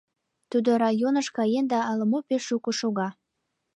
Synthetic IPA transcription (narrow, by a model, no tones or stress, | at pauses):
t̪ud̪oɾɑjonəʃkɑjend̪ɑːlə̆mopeʃːukoʃoɣɑ